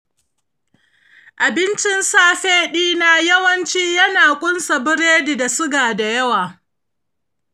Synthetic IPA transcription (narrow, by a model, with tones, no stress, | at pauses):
ʔa˨bɪ˦nt͡ʃɪ˦nsaː˦ɸeː˦ɗiː˦naː˦jɐ˦wɐ˦nt͡ʃiː˦jɐ˦naː˨kʷʼʊ˦nsa˨bɪ˦ɾeː˦di˨da˨sʊ˦ɡaː˨da˨jɐ˦waː˨